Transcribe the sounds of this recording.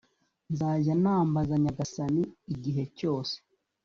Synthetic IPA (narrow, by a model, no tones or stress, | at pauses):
nzaːɟanaːmbazaɲaɡasaniiɟiɦe̞co̞ːse̥